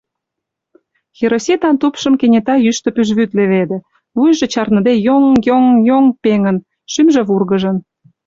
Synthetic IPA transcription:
xeɾosʲit̪ɑnt̪upʃəmkenʲet̪ɑjyʃt̪ø̆pyʒβyt̪leβed̪ĕ | βujʒet͡ɕɑrnəd̪ejoŋjoŋjoŋpeŋə̆n | ʃymʒĕβurɣəʒən

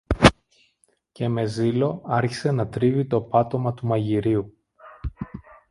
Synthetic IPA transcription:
ce̞me̞zilo̞ɐɾçise̞nɐt̪ɾivit̪o̞pɐt̪o̞mɐt̪umɐʝiɾiu

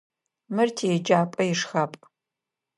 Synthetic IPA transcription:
mɨrtʰiɛd͡ʒaːpʼɐjɪʂxapʼ

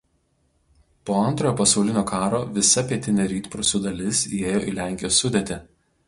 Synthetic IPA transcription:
poːɐnt̪ɾoːjoːpɐsɒʊlʲɪnʲoːkɑːɾoːʋʲɪsɐpʲiɛt̪ʲɪnʲeɾʲiːt̪pɾʊsʲuːd̪ɐlʲɪsieːjoːʔiˑlʲæˑŋʲkʲɪjoːsːʊd̪ʲet̪ʲe

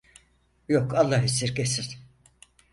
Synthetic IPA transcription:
jokʰalˠːahisiɾɟesinʲ

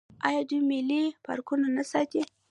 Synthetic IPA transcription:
ɑ̰jɑd̪ujmɪlipa̰ɾkunanasɑt̪e

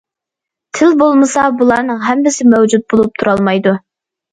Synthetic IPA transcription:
t̪ʰɪlbolˠmɨsɑbulˠɑɾnɨŋɦɛmːɪsɪmɛwd͡ʒut̪̚bolˠup̚t̪ʰuɾɑlˠmɑjd̪u

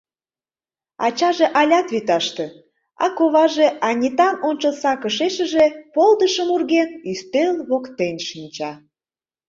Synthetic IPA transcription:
ɑ̰t͡ɕɑʒeʔɑlʲɑt̪βyt̪ɑʃt̪e | ɑ̰koβɑʒeɑnʲit̪ɑnonʲt͡ɕəlsɑkəʃeʃə̆ʒepold̪əʃəmurɣenyst̪elβokt̪enʃinʲt͡ɕɑ

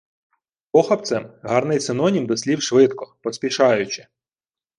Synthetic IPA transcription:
pɔxɐpt̪sɛmɦɑrnɪjsɪnɔnʲimd̪ɔsʲlʲiwʃʋɪt̪kɔpɔsʲpʲiʃɑjʊt͡ʃɪ̥

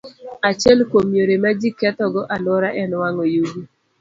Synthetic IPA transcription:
at͡ʃɛlkomjoɾemad͡ʒikɛt̪ɔɡɔʔalɔɾaʔɛnwaŋojuɡi

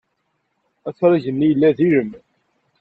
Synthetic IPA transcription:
æt͡sːɾæʝənːijəlːæðiɾəm

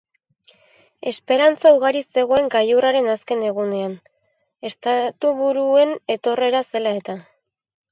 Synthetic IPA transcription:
e̞spe̞ɾant͡sauɣaɾise̞ɣo̞e̞ŋɡajuraɾe̞naske̞ne̞ɣ̞une̞an | e̞st̪at̪uβuɾue̞ne̞t̪o̞re̞ɾase̞lae̞t̪a

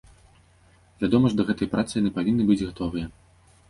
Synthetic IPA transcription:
vʲad̪ɔmɐʐd̪ɐɣɛt̪ɐjpɾat̪sɨjanɨpavʲinːɨbɨd͡zʲɣat̪ɔvɨjɐ

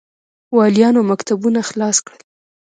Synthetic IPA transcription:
wɑljɑnomakt̪abunaxlɑskɽəl

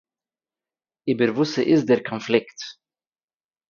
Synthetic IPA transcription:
ɪbɛɾvʊsəʔɪsd̪ɛɾkʰɔnflɪkt̪

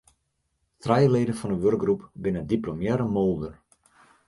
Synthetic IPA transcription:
trɛjəleːdəfɔnəʋørk̚ɡrupbɪnədiplomjɛɾəmoːlˠdər

